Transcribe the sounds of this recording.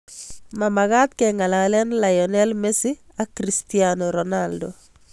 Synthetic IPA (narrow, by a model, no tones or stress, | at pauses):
mamaɣat̪̚kɛŋalalɛnlajɔnɛlmesi | akɾistianɔɾɔnaldo